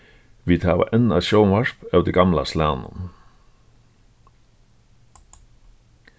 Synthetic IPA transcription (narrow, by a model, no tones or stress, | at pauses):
ʋiːt̪ʰɑːʋə̰ʔɛnɑ̰ʃoʊnʋɑʃpɑːd̪iɡɑmlɑslæːnə̰